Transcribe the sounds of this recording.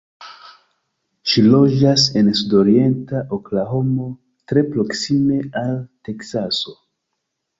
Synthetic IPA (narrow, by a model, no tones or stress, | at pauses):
ʃilo̞d͡ʒase̞nsudo̞ɾie̞ntaʔoklaɦo̞mo̞ | tɾe̞pɾo̞ksime̞alte̞ksaso̞